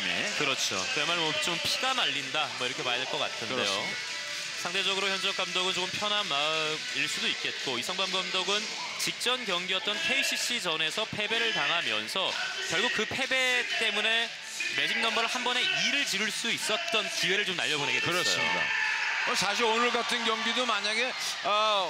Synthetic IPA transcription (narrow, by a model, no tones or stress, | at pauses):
mḛkɯɾʌt͡ɕʰo̰emaɭwʌt͡ɕompʰiɡamaʎːindamwʌiɾʌkʰe̞majdeɭk͈ʌk͈a̰tʰɯnde̞jo | sʰaŋde̞d͡ʑʌɡɯɾoçjʌnd͡ʑʌk͈amdʌɡɯnt͡ɕokɯmpʰjʌnɦama | iɭs͈udoit̚k͈e̞t̚k͈oisʰaŋbamɡamdʌɡɯn | t͡ɕik̚t͡ɕ͈ʌnkjʌŋɡiʌt̚t͈ʌnpʰeiɕʰiɕ͈ʰid͡ʑʌne̞sʰʌpʰe̞be̞ɾɯɭtaŋɦamjʌ̰nsʰʌ | kjʌɭɡuk̚k͈ɯpʰe̞be̞t͈e̞mune̞ | me̞d͡ʑiŋnʌmbʌɾɯɭhambʌne̞iɾɯɭt͡ɕiɾuɭs͈uis͈ʌt̚t͈ʌnt͡ɕiwe̞ɾɯɭt͡ɕomna̰ʎːʌboneɡekɯɾʌsomɲḭda̰ʌsaɕ̬ʰionɭɡatʰɯnɡjʌŋɡidomaɲaɡe̞ | a